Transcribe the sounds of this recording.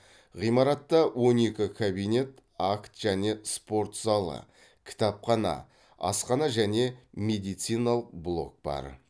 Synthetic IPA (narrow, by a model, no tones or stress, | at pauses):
ʁijmɑɾɑt̪ːɑwʔo̞ne̞kʲɪkʰabijne̞t̪akt̪ʒ̥æne̞spo̞ɾt̪sɑlˠə̰ | kʲʰɪ̥t̪ɑpχɑnɑ̰ | ɑ̰sqɑnɑʒæne̞me̞d̪ijt̪sijnɑlˠəq̚blˠo̞̰k̚b̥ɑ̰ɾ